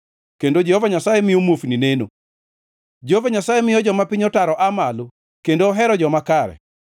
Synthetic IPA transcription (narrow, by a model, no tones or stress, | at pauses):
kendod͡ʒɛhovaɲasajemɪjomwofnineno̰ | d͡ʒɛhovaɲasajemɪjɔd͡ʒɔmapɪɲɔtaɾɔʔamalo | kendoːɦɛɾɔd͡ʒɔmakaɾɛ̰